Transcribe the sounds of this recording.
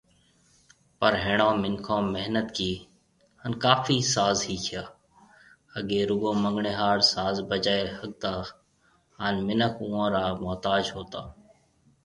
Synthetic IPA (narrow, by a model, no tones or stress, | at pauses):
pəɾɦeːɳãːmɪnkʰõːmːəɦnət̪kiː | hənkaːfiːsaːzɦiːkʰɪjaː | əɠeːɾʊɡõːməŋɡɳeːɦaːɽsaːzbəd͡ʒaːehəɠ̚t̪aː | aːnmɪnəkʰuːãːɾaːmɔːt̪aːd͡ʒɦoːt̪aː